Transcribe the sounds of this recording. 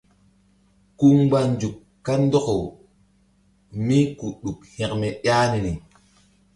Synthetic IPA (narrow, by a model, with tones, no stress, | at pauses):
ku˦ŋɡ͡ba˨nd͡ʒu˨k | kːa˦ndo˦ko˨w | mi˦ku˨ɗu˨khɛ̃˨kmɛ˨ja˦ni˨ni˨